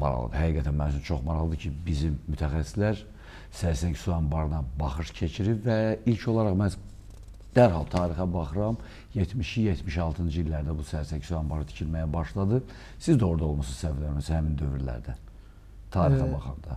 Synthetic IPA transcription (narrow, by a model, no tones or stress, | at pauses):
mɑ̰ɾɑ̰lˠɯ̰d̪ɯhæɡiːɡæt̪ʰænmænt͡ʃynt͡ʃʰo̞χmɑɾɑlˠɯd̪ɯcʰibizimːyt̪ʰæxæsːi̥slæɾ | sæɾsæɲcsuɑmbɑɾɯnɑbɑχɯʃcʰet͡ʃʰiɾipvæilʲcʰo̞lˠɑɾɑχmæz | d̪̥æɾɦɑlˠt̪ʰɑːɾixɑbɑχɯɾɑm | jet̪ʰmiʃijet̪miʃɑlˠt̪ʰɯnd͡ʒɯilːæɾd̪æbusæɾsæɲcsuɑmbɑɾɯt̪i̥cʰilmæjæbɑʃlˠɑd̪ɯ | sizd̪o̞ɾd̪ɑo̞lˠmɑsɯz̥sævlæɾmishæmind̪ø̞vyɾlæ̰ɾd̪æn | t̪ʰɑːɾixɑbɑχɑnd̪ɑ